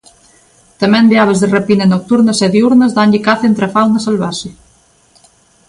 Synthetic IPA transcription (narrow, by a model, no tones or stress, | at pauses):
t̪ɐmɛ̃nd̪eaβezðɪrepinɐnok̚t̪uɾnɐsɛðeuɾnɐzðanʎikaθent̪ɾɐfawnɐsalβaʃɪ